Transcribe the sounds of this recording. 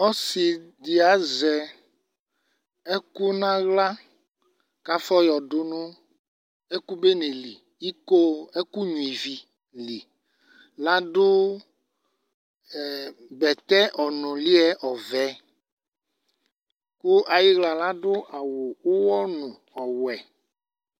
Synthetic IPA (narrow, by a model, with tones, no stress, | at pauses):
ɔ˦si˨di˨a˨zɛ˨ | e˦ku˦nã˦ɣla˦ | ka˦fɔ˦jɔ˨dʊ˨nʊ̃˦ | e˦ku˦be˦nẽ˨li˨ | i˦ko˦e˦ku˦ɲũ˨i˨vi˨ | li˨ | la˦ɖʊ˦˨ | bɛ˨t̪ɛ˦ʔɔ˨nʊ̃˨li˦ɛ˦ʔɔ˨vɛ˨˦ | ku˦ʔa˨ji˦ɣla˨la˦ɖʊ˦ʔa˨wo˨wo˦wɔ˦nʊ̃˨ | ɔ˨wɛ˨